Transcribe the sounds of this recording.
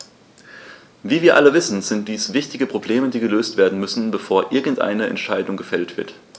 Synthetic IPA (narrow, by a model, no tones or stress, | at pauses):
viːviːɐʔaləvɪsn̩zɪnt̚d̥iːsv̥ɪçtɪɡəpʁ̥obleːmədiːɡəløːstv̥eːɐdn̩mʏsn̩bəfoːɐʔɪɐɡŋ̩tʔa̰ɪnəɛ̰ntʃaɪdʊŋɡəfɛltv̥ɪɐt